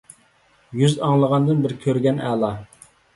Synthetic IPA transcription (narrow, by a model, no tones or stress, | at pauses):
jyzɑŋlˠəʁɑnd̪ɨnbɪɾkʲʰøɾɡʲɛnɛ̰lˠɑ